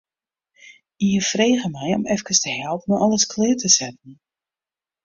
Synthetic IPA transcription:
iəfreːɣəmɛjɔ̰mɛfkəstəhɛlˠpənɔʔɔləskʰlɪːtəsɛt̚ən̩

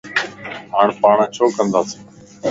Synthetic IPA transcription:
ɦaːɳpaːɳt͡ʃʰoːkənd̪aːseː

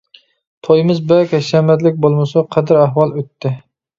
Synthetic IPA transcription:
t̪ʰojmɪzbɛkʲɛʃɛmɛd̪lɪk̚ʲbolˠmɨsɑqʰæd̪ɪɾæɦwɑlˠøt̪ːɪ

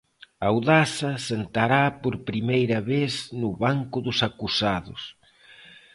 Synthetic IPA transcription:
awðasɐsent̪aɾapoɾpɾimejɾɐβesnʊβaŋkʊðʊsakusaðʊ̰s

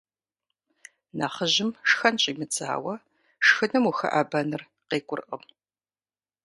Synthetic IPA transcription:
naːχəʑɪmʂxɐnɕʼimɨt͡sʰʼa̰ːwɐ | ʂxɨnɐmuxɐ̰ʔaːbɐnɨr | qeːkʷʼʊrʔə̰m

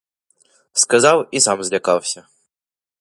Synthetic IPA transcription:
skazɑwisamzʲlʲakɑwsʲə

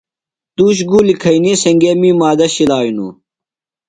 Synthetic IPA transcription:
t̪uːɕ̬ɡulikʰɐinisɐŋɡemiːmaːd̪ɐɕilaːjunṵ

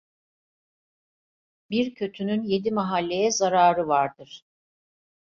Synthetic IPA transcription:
biɾcʰø̞t̪ʰynynje̞d̪imaɦalʲːe̞jɛzaɾaːɾɯvaɾd̪ɯɾ̥

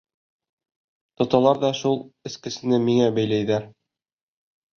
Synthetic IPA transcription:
t̪ŏt̪ɑlˠɑɾðɒʃulˠɘ̆skɘ̆sɘ̆nɘmiŋæbæjlæjðæɾ

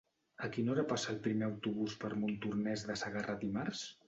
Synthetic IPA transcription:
əkinoɾəpasəːlˠpɾimeəwt̪uβ̞uspəɾmunt̪urnɛzðəsəɣərat̪imaɾs

